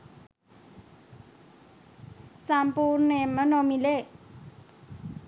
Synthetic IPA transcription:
sampurnemənomile

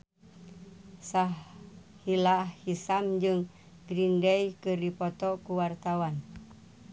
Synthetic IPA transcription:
sahhilahhisamd͡ʒɨŋ | ɡɾindɛjkɨrdipɔt̪ɔkuwart̪awan

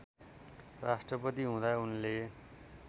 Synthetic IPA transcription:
rasʈrʌpʌt̪̬iɦũd̪aunle

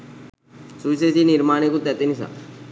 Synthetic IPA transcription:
sus̬esiːniɾmaːɳ̃ekut̪ɛt̪enisa̰

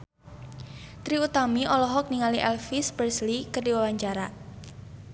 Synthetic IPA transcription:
t̪ɾiut̪amiɔlɔɦɔk̚niŋaliʔɛlfisbərslikərdiwawaɲt͡ʃaɾa

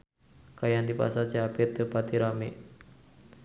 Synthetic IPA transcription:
kajandipa̰sat͡ʃiapet̪əpat̪iɾame

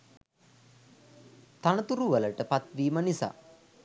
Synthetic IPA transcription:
t̪anət̪uɾuʋələʈəpat̪ʋiːmənisa̰ː

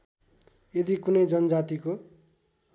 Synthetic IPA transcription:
jed̪ikunʌjd͡zʌnʌd͡zat̪iko

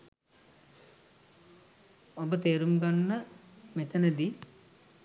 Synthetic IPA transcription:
obət̪eːɾumɡanːəmet̪ənəd̪i

